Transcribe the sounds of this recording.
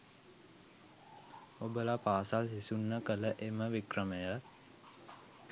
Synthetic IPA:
obəlapaːsalsisunːəkələʔeməʋikrəməjə

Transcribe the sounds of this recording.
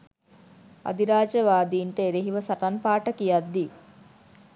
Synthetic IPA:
a̰d̪iɾaːd͡ʒəʋaːd̪iːɳʈəeɾeɦiʋəsaʈanpaːʈəkijad̪ːi

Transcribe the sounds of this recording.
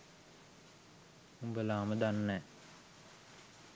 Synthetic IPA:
umbəlaːməd̪anːɛː

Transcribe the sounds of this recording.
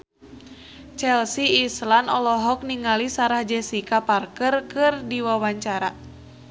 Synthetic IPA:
t͡ʃɛlsiːslanɔlɔɦɔk̚niŋalisaɾahd͡ʒɛsikaparkərkɨrdiwawaɲt͡ʃaɾa

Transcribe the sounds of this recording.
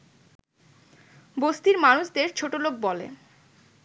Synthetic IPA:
bost̪iɾmanuʃd̪eɾt͡ɕʰoʈolok̚bɔlḛ

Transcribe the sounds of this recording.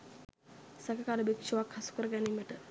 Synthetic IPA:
sakəkaːləbekʃuʋakhasu̥kəɾəɡæniməʈə

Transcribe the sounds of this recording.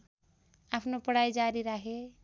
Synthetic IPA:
apʰnopʌɽ̤ajd͡ʒaɾiɾaɦe

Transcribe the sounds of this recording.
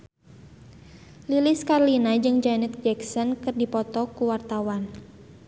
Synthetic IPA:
lilɪskarlinad͡ʒɨŋd͡ʒanɛt̪̚d͡ʒɛksɔnkɨrdipɔt̪ɔkuwart̪awan

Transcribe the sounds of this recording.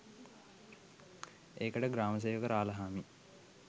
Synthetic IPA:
eːkəʈəɡɾaːməs̬eːʋəkəɾaːləɦaːmi

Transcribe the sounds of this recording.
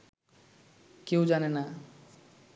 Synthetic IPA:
kewd͡ʑanena

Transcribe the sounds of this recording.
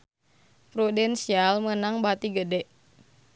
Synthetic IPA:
pɾodɛnsialmənaŋbat̪iɡədɛʔ

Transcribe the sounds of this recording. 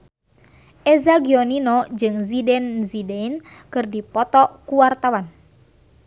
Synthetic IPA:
ʔɛzaɡiɔninɔd͡ʒɨŋzidɛnzidɛinkɨrdipɔt̪ɔkuwart̪awan

